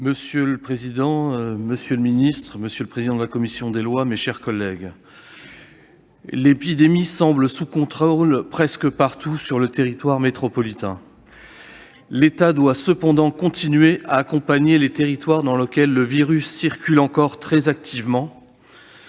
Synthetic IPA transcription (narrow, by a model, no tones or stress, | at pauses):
məsjøləpχezid̪ɑ̃məsjøləminist̪χəməsjøləpχezid̪ɑ̃d̪əlakɔmisjɔ̃d̪elwameʃɛʁkɔlːɛɡ | lepid̪emisɑ̃bləsukɔ̃t̪χolpχɛskəpaʁt̪usyʁlət̪eʁit̪waʁmet̪χɔpɔlit̪ɛ̃ | let̪ad̪wasəpɑ̃d̪ɑ̃kɔ̃t̪ʰinɥeʔaːkɔ̃paɲelet̪eʁit̪waʁd̪ɑ̃ləkʲɛlːəviʁysːiʁkʲylɑ̃kɔʁt̪χɛzak̚t̪ʰivmɑ̃